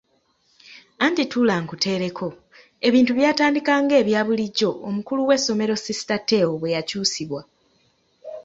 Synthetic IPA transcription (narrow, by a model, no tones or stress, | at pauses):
aːntitulaŋkute̞ːɾe̞kʰo̞ | e̞βiːntuβjaːtaːndikaːŋɡe̞ːβjaːβuliɟːo̞ʔːmukuluwe̞sːo̞me̞ɾo̞sisi̥tate̞ːwoβwe̞jacuːsiβwa